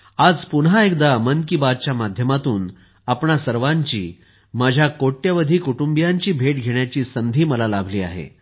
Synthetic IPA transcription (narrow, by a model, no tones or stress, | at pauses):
ad͡zpunɦaekd̪amənkibad̪̚t͡ɕjamad̪ʱjəmat̪uːn | apɳasəɾʋaɲt͡ɕḭː | mad͡ʑʱjakoʈːjəʋəd̪ʱiːkuʈumbijaɲt͡ɕiːbʱeʈɡʱeɳjat͡ɕiːsənd̪ʱiːməlalabʱliːa̰ɦḛ